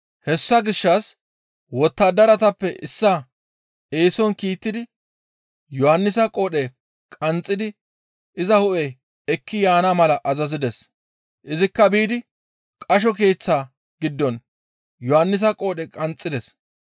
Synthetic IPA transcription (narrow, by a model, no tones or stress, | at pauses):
hɛsːɐɡɪʃːɐs | wɔt̪ːad̪ɐɾɐt̪ɐpːɛʔɪsːa | eːsɔnkiːt̪ːɪd̪ɪ | jɔhɐnːɪsɐkʼoːɗɛ | kʼɐnt͡sʼːɪd̪ɪ | ʔɪzɐhʊʔɛ | ɛkːɪjaːnamɐlɐʔɐzɐzɪd̪ɛs | ʔɪzɪkːɐbiːd̪ɪ | kʼɐʃ̬ɔke̞ːt͡sːaː | ɡ̥ɪd̪ːɔn | jɔhɐnːɪs̬ɐkʼo̞ːɗɛkʼɐnt͡sʼːɪd̪ɛs